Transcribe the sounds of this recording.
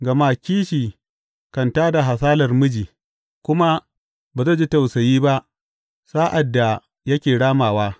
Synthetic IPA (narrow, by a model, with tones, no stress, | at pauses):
ɡɐ˨maː˦kʲiː˦ʃiː˨ | kɐ˨ntaː˦da˨ɦa˨saː˦lɐ˨rmʊ˦d͡ʒiː˨ | kʷʊ˦ma˦ | baː˨za˦˨d͡ʒi˦ta˨wsɐ˨jiː˦ba˦ʔ | saː˦ʔa˨dːa˨ | jɐ˦kʲeː˨ɽaː˦maː˨waː˦